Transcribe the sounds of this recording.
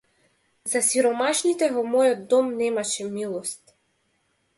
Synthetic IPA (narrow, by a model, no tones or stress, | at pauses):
zasiɾɔmaʃnit̪ɛvɔmɔjɔd̪d̪ɔmnɛmaʃɛmilˠɔst̪